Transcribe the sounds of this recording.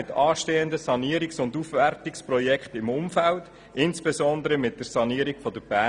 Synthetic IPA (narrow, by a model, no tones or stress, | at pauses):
ɪtʰɑːʃteːəndəsɑniəɾiksʊndufʋɛrtɪksprɔjɛkχtɪmʊmfælt | ɪnsb̥esɔnd̪əɾəmɪt̚d̥əɾsɑniːəɾikfɔd̥əb̥æː